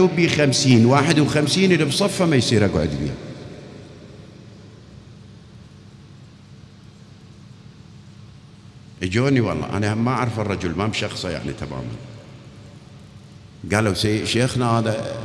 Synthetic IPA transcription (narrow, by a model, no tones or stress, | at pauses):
ubiːxamsiːnwaːħɪd̪wxamsiːnʔɪlːibsˤɑfːamajsˤiːɾaɡʕʊd̪bḭː | ʔəd͡ʒoːniwɑ̰lˤːɑ̰ːʔa̰namaʕaɾfɑrˤːɑd͡ʒʊlmabʃɑxsˤɑja̰ʕnḭt̪ama̰ːma̰n | ɡaːlːawsaːʃeːxnahaːða